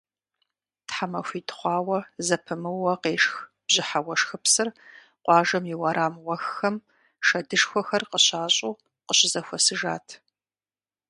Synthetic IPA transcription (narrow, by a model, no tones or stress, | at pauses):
tħamɐxʷiːtʰχʷɑːwɐzɐpʰɨmɨwɐqeːʂx | b̥ʑɪħawɐʂxɨpsɨr | qʷɑːʒɐmjɪwɐɾʔaːmwɐxːɐm | ʃɐdɨʂxʷɔxɐrqəɕaːɕʼuː | qəɕɪzɐxʷɔsɨʒaːtʰ